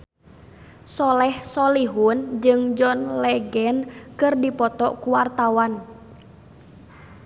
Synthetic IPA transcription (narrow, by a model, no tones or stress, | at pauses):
sɔlɛhsɔliɦund͡ʒɨŋd͡ʒɔnlɛɡɛnkɨrdipɔt̪ɔʔkuwart̪awan